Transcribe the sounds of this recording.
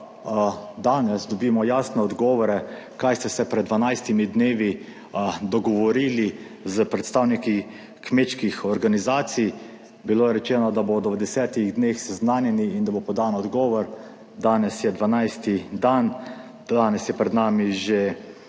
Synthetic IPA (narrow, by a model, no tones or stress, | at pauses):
d̪aːnɛsd̪ɔbiːmɔjaːsnɛɔd̪ɡɔːʋɔɾɛkajst̪ɛsɛpɾɛd̪ːʋanajst̪imid̪neːʋi | d̪ɔɡɔʋɔɾiːli | zəpɾɛt̪st̪aːwniki | kmeːt͡ʃkixɔɾɡanizaːt̪sij | biloːɛɾɛt͡ʃɛːnɔd̪abod̪ɔʋd̪ɛsɛːt̪iɣd̪neːxsɛznaːnjɛniːnd̪abopɔd̪anɔd̪ɡɔːʋɔɾ | d̪aːnɛsjɛd̪ʋanajst̪id̪an | d̪aːnɛsjɛpɾɛd̪naːmiʒe